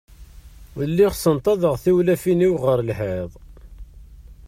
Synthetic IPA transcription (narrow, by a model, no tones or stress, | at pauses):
lːiχsənt̪ˤɑðəʁθiwlæfiniwʁəɾlħeðˤ